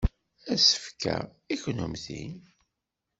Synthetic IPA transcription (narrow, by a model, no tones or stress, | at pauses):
æsə̥fkæ̰ | içnumθḭn